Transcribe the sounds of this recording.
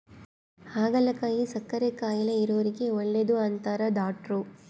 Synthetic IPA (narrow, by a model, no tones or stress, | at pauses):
haːɡɐlɐkaːjisɐkːɐɾekaːjɐlɐiɾoʋɐɾiɡe̞oɭːed̪uaːnt̪aːɾɐd̪aːʈɾu